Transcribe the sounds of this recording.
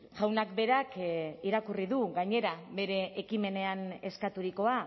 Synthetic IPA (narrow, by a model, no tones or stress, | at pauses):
ʝawnakbe̞ɾakiɾakuriðuɣaɲe̞ɾaβe̞ɾe̞ʔːkime̞ne̞ane̞skat̪uɾiko̞a